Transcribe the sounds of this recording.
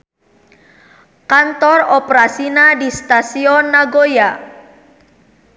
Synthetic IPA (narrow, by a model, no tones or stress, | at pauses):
kant̪ɔrɔpɾasinadist̪asiɔnːaɡoja